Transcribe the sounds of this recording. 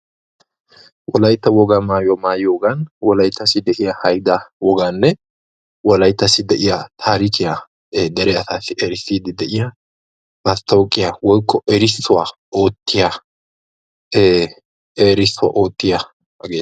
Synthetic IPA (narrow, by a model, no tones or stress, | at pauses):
wɔlɐjt̪ːɐwɔɡaːmaːjɔmaːjoɡanwɔlɐjt̪ʰːɐsɪd̪ɛʔɪjahɐjd̪awɔɡaːnːɛ | wɔlɐjt̪ːɐsɪd̪ɛʔɪjɐt̪ʰaːɾɪkɪja | d̪ɛɾɛɐsaːsɪʔɛɾɪsːiːd̪ɪd̪ɛʔɪja | nɐst̪oːkʼːɪjawɔjkʰːɔʔɛɾɪsːʊwaʔo̞ːt̪ːɪja | eːɾɪsːʊwa̰ʔo̞ːt̪ːɪjɐ | ɐɡeː